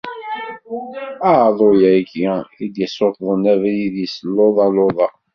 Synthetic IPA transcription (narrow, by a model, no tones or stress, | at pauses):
æʕðˤojækːæid̪jəsˤot̪ˤðˤənævæjiðisəlːoðˤɑloðˤɑ